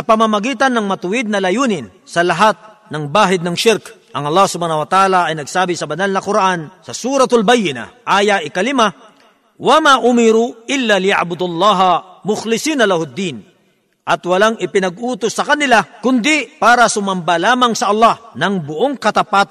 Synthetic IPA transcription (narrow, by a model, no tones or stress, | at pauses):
sɐpɐmamɐɡiːt̪ɐnːɐŋmɐt̪ʊwɪd̪̚nɐlɐjuːnɪn | sɐlɐɦat̪̚ | nɐŋbaːɦɪd̪nɐŋʃɪɾkʔɐŋɐlˠːahsʊbaːnɐwɐt̪ʔaːlaʔɐjnɐɡsaːbɪsɐbɐnalnɐkʊɾaʔansɐsuːɾɐt̪ʊlbajːɪna̰ʔaːjaʔɪkɐlɪma | wɐmaʔʊmɪɾuʔɪlːalɪja̰ʕbʊd̪ʊlˠːɑːɦɐmʊxlɪsiːnɐlahʊd̪ːiːn | ʔɐt̪wɐlaŋɪpɪnɐɡ̚ʔuːt̪osːɐkɐnɪlakʊnd̪ɪpaːɾɐsʊmɐmbalaːmɐŋsɐʔɐlːɑhnɐŋbʊʔoŋkɐt̪ɐpat̪